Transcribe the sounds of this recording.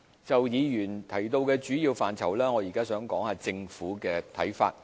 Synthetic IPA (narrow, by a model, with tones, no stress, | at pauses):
t͡sɐ˨wjiː˨˧jyː˨˩nt̪ʰɐ˨˩jt̪o˧wkɛː˧t͡ʃyː˨˥jiː˧wfaː˨nt͡sʰɐ˨˩wlɛː˥ŋɔː˨˧jiː˨˩kaː˥sœː˨˥ŋkɔː˨˥ŋhaː˨t͡sɪ˧ŋfuː˨˥kɛː˧t̪ʰɐ˨˥jfa̰ː˧t̚